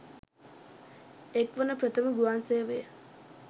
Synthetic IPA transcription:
ekʋənəpɾət̪əməɡuansejəʋejə

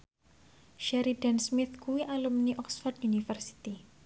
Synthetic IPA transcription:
ʃɛɾid̥ɛnsmɪθkuwiʔalumniʔɔksfard̪unifərsi̥t̪i

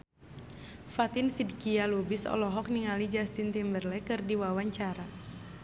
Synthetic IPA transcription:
fat̪ɪnsidkialubisɔ̰lɔɦɔk̚niŋalid͡ʒast̪int̪imbərlɛkɨrdiwawaɲt͡ʃaɾa

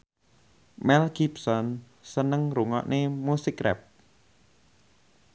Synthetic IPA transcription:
mɛlkip̚sɔn | sənəŋɾuŋɔ̰ʔnʔemusikrɛ̰p̚

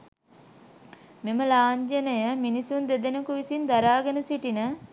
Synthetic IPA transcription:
meməlaːɲd͡ʒənəjəminisund̪ed̪enəkuʋisind̪aɾaːɡənəsiʈinə

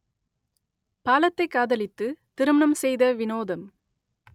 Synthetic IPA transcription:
paːlɐt̪ːɐɪkːaːðɐlɪt̪ːɯt̪ɪɾɯmɐɳɐmsɛjðɐʋɪnoːðɐm

